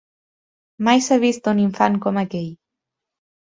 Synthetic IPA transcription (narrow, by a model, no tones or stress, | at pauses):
majsaβist̪uniɱfaŋkɔməkɛʎ